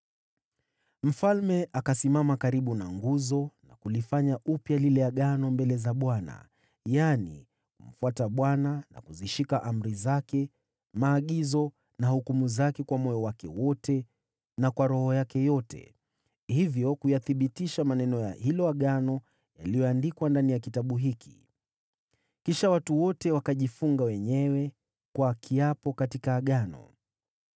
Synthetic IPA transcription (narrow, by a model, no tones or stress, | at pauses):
m̩falmɛʔakasimamakaɾiɓunaŋɡuzɔna̰kulifaɲaʔupjalilɛjaɠanɔmbɛlɛzaɓwana̰ | janḭ | kum̩fuataɓwanana̰kuziʃikaʔam̩ɾizakɛ | maːɠizɔ | nahukumuzakɛkwamɔjɔwakɛ̰wɔtɛ | nakwaɾɔhɔjakɛjɔtɛ̰ | hivjɔkujaθiɓitiʃamanɛnɔja̰hilɔaɠanɔ | ja̰lijɔandikwandanijakitaɓuɦiki̥ | kiʃawatuwɔtɛwakaʄifuŋɡawɛɲɛwɛ | kwakʰiapɔkatikaːɠanɔ̰